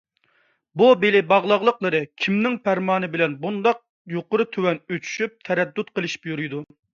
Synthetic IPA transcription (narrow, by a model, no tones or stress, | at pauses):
bubelɪbɑʁlˠɑʁlˠəqlˠəɾɨkʲʰimnɪŋpʰæɾmɑːnɨbɪlɛnbund̪ɑq̚ | joqʊɾɨt̪ʰøwɛnøt͡ʃʰy̥ʃyp̚t̪ʰɛɾɛd̪ːut̪qʰəlˠɨʃi̥pjyɾyjd̪u